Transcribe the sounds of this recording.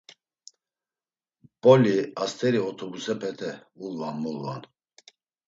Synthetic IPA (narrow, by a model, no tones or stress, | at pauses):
pʼɔliast̪ʰɛɾiɔt̪ʰɔbusɛpʰɛt̪ʰɛulːanmulːa̰n